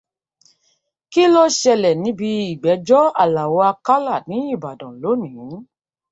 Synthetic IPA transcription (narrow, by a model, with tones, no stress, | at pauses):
ki˦lɔ˦ʃɛ˧lɛ˨nĩ˨˦bi˧i˨ɡ͡bɛ˨˦d͡ʒɔ˦a˨la˨wɔ˧a˧ka˦la˦˨nĩ˨˦i˦˨ba˨dɔ̃˨lo˨˦nĩ˨˦